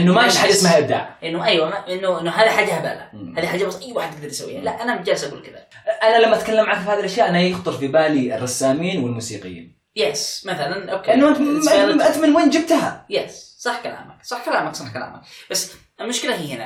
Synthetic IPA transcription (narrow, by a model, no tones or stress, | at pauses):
ʔɪnːʊmaʃħad͡ʒasmahʔab̚d̪a̰ːʕʔɪnːʊʔajwamaʔɪnːʊʔɪnːʊɦaːðiħaːd͡ʒːahaba̰ːlaaːðiħaːd͡ʒːabasˤʔajːwaːħɪd̪t̪ːɪɡ̚d̪ɑɾˤt̪sawːḭːhalaʔanamʊt̪̚d͡ʒaːlːɪsʔaɡuːlkɪða̰ʔanalamːaʔat̪kalːamʕankfihaːðilʔaʃjaːʔanajɪxt̪ˤɨɾfibaːliɪrˤːɑsːaːmiːnwɪlmuːsḭːqɪ̰jḭːn | jɛsmaθalanʔokːʔanːʔaʔat̪manweːnd͡ʒɪb̚t̪ɦa̰jɛssˤɑħkala̰ːmaksˤɑħkalaːmaksˤɑħkala̰ːma̰kb̥asː | ʔɪlmʊʃkɪlahiːhɪna̰